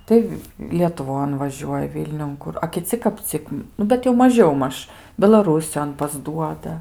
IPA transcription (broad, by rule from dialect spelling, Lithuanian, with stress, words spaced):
ˈtɐɪ lʲiɛtʊˈʋoːn ʋɐˈʒʲuɔjɛ ˈʋʲɪlʲnʲʊn ˈkʊr ɐ kʲɪˈt͡sʲɪ kɐp ˈt͡sʲɪk ˈnʊ bʲɛt jɛʊ mɐˈʒʲɛʊ ˈmɐʃ bʲɛlˠɐˈruːsʲɪjoːn pɐzˈduɔdɐ